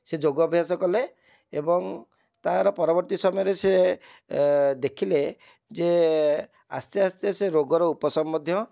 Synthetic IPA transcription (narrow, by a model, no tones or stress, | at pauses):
sed͡ʒoɡɔbʱjasɔkɔle | ebɔŋ | t̪aɦaɾɔpɔɾɔbɔɾt̪isɔmɔjɔɾese | d̪ekʰile | d͡ʒe | a̰st̪jɔast̪jɔseɾoɡɔɾɔupɔsɔmbɔd̪ʱjɔ